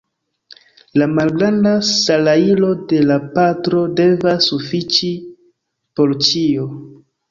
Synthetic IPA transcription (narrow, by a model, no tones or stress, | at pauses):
lamalɡɾandasalailo̞de̞lapatɾo̞de̞vasufit͡ʃi | po̞ɾt͡ʃio